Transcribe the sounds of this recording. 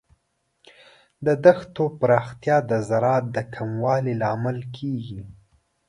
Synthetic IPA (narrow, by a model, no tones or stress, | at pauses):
d̪əd̪axt̪opɾɑxt̪jɑd̪əzaɾɑt̪̚d̪əkʰamwɑlilɑmalkʰeɡi